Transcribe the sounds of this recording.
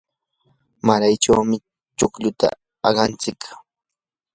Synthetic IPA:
maɾajt͡ʃawmɪ | t͡ʃʊkʎʊt̪a̰ | ɑɢɑnt͡sɪk

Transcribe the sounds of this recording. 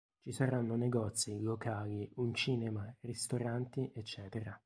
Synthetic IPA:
t͡ʃisaɾanːoneɡɔt̪silokaːliunt͡ʃiːnɛmarist̪oɾant̪iʔɛt͡ʃːɛːt̪eɾa

